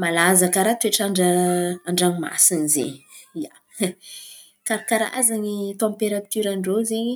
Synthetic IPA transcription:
malazakəɾat̪ueʈ͡ʂaɳɖ͡ʐəaɳɖ͡ʐaŋima̰sinizḛɲiia̰ | kaɾakaɾa̰azaɲit̪ɔ̃peɾat̪yɾaɳɖ͡ʐozeɲi

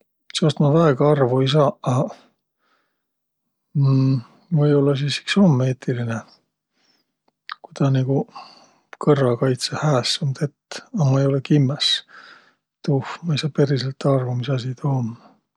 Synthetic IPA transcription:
sost̪mɑvæeɡ̥ɑɑrvuis̬ɑɑ | vɤjo̞lːɑsisi̥kso̞mːe̞ːt̪ʰːiline | kut̪ɑniɡ̥u | kɤrːɑkɑjt̪sehæːsːɑmt̪et̪ːɑmɑejo̞lekimːes | t̪ufmɑisɑpe̞ɾiselt̪ːɑrvumisɑsit̪omː

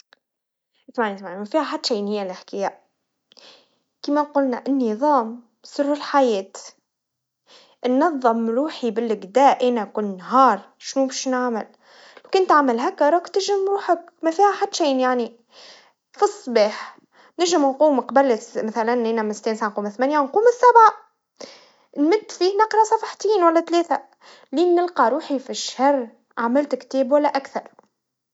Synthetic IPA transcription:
ɪt̪maʕnit̪maʕnimafiːhaħad̪ːʃejːnhɪjːalʔɪħkajaʔ | kimaqʊlnaʔɪnːɪðˤɑːm | sˤɨrːɪlħajeːt̪ | nːɑðˤːɨmɾuːħibɪlːɪɡd̪aːʔʔeːnakunːɦɑːɾˤ | ʃnubiʃnaʕmɪl | owkɪnt̪aʕmalɦakːɑɾˤɑkt̪ɪʒɪmɾuːħak | mæfiːhæħad̪ːʃiːnjaʕni | fisˤːbiːħ | nɪʒɪmnquːmqɑbælmæθælænʔeːnæmɪnst̪ːiːnsaʕanquːmɪθmænjanquːmɪsːæbʕa | nmɪd̪ːfinɪqɾˤɑsˤɑfɑħt̪iːnwælːæt̪leːθæ | liːnɪlqɑɾuːħifiʃhɑrˤː | ʔaʕmɪlt̪kt̪eːbwælːæʔækθɑɾˤ

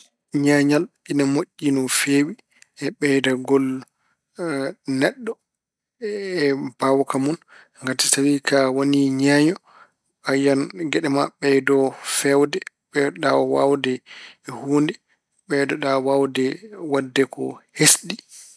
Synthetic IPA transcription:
ɲaɲal | inamoʔːinɔfewi | ʔɛɓɛdaɡɔl | nɛɗːɔ | ɛb̥awkamun | ŋɡati̥sawikʰawoniɲaɲɔ | ajanɡɛɗɛmaɓɛdɔfɛwdɛ | ɓɛɗawa̰wdɛhuːndɛ | ɓɛdɔɗawawdɛwadːɛkɔ̰hesɗi

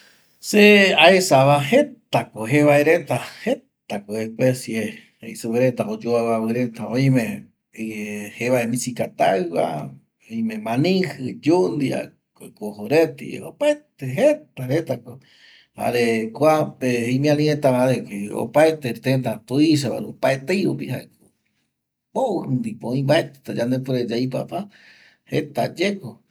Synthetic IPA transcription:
seaesaβahet̪akoɦeβaeɾet̪ahet̪akoehpesje | eisuβeɾet̪aʔod͡ʒoawaβɨɾet̪aõj̃mẽ | heβaemĩsikat̪a̰βa̰ | oimẽmãnĩhɨd͡ʒund̪ia̰ | kokohoɾet̪ḭopaet̪eɦet̪aɾet̪ako | ha̰ɾekʷapeimĩãlĩet̪aβaɾekeo̰paet̪et̪end̪at̪uiʃ̬aβa̰ɾopaet̪ejɾupiha̰eko | pouhɨnd̪ipõĩbaet̪e̥t̪ad͡ʒãnd̪epoɾed͡ʒaipa̰pa | hḛt̪a̰d͡ʒeko

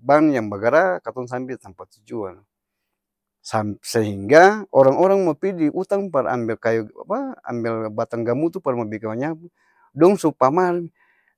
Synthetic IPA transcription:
banjaŋbaɡaɾakat̪ɔŋs̬ambilt̪ampat̪ud͡ʒuan | samsɛɦiŋɡaɔɾaŋɔɾaŋmɔpidiʔut̪aŋpaɾa̰mbilkajua̰paa̰mbilbat̪aŋɡamut̪upaɾmabikamaɲapu | dɔŋsupamal

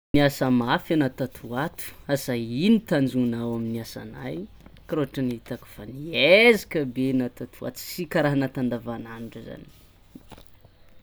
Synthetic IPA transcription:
niasəmafanat̪at̪ʰuat̪u̥asainit̪and͡zunawaminiasa̰na̰j | kɾoaʈ͡ʂəniit̪akə̥faniezikəbenat̪at̪ʰua̰t̪u̥sikaɾaɦanat̪and̪avananuʈ͡ʂəza̰ni̥

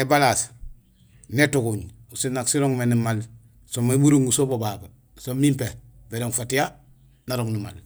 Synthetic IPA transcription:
ebalas | netukuɲusinːaksiɾoŋmenimal | somebuɾuŋusobobabe | somimpebeɾoŋfatija | naɾoŋnima̰l

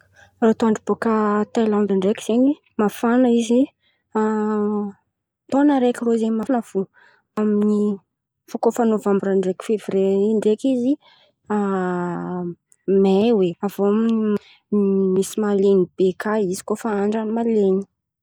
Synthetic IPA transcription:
rot̪oaɳɖ͡ʐib̥okət̪alãnd̪aɳɖ͡ʐekiz̥eɲi | mafanəizi | a | t̪onəɾekʲiroizemanav̥u | amini | fokofanovambuɾaɳɖ͡ʐeki̥fevɾeiɳɖ͡ʐekizi | a | meweavoamini | misimalenib̥ekaizi̥kofaaɳɖ͡ʐanimaleɲi̥

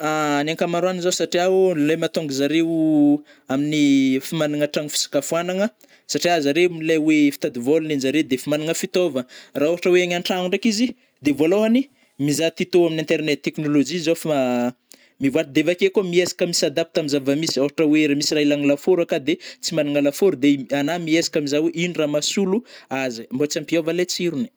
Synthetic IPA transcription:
anaŋkamaɾuanizosaʈ͡ʂiaulemat̪oŋɡizaɾewu | aminifimaniŋaʈ͡ʂaŋifi̥si̥kafuanaŋə | saʈ͡ʂiazaɾemilewefi̥t̪ad̪ivolunenzaɾed̪efimaniŋəfit̪ovəraoɦaʈ͡ʂəweaɲaɳʈ͡ʂauɳɖ͡ʐakizi | d̪evoloani | mizat̪it̪oaminĩnt̪eɾnet̪̚t̪ːeknolod͡ʒizof | mivad̪evakekumiesḁkamisad̪ap̚t̪amizavəmisiaaʈ͡ʂəweɾamisirajlaŋilafoɾakad̪et͡simaniŋalafoɾud̪eanamiesḁkʲamizaweʔiniramasuluazimbot͡sampiovalet͡siɾuni̥

